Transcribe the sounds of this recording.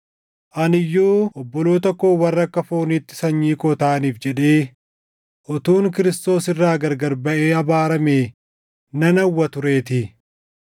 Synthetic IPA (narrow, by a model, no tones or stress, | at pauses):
ʔɐnɪjːuːʔɔbːɔloːt̪ɔkːoːwɐrːɐkːɐfoːniːt̪ːɪ̥sɐɲːiːkɔːt̪aːniːfd͡ʒɛᶑe̞ː | ʔɔt̪uːŋkɪɾɪst̪o̞ːsɪrːaːɡɐɾɡɐɾbɐʔe̞ːɐbaːɾɐmeː | nɐnɐwːɐt̪ʊɾe̞ːt̪ɪ